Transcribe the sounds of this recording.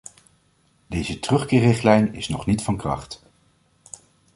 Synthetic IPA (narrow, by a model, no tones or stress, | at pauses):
dejzətrɵχkɪːrɪχtlɛjnɪ̰snɔχnitfɑnkrɑ̰χt